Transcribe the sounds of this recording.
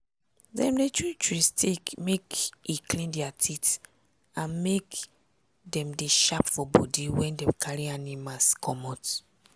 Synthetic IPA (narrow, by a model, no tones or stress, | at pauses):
dɛ̰̃mdet͡ʃut͡ʃɹistʰekmekiklĩndiatʰit | ãnmek | dɛ̃mdeʃapfɔbɔ̰diwɛ̃ndɛ̃mkʰaɹianimaskʰɔmɔt